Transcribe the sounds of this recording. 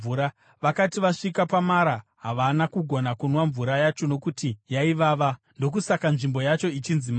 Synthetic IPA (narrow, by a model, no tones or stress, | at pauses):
uɾa | ʋakatiʋaʂikapamaɾaɦaʋanakuɡʱo̞nakunwaɱvuɾajat͡ʃo̞no̞kutijaiʋaːʋa | ndo̞k̬usakanʐimbo̞jat͡ʃo̞it͡ʃinzima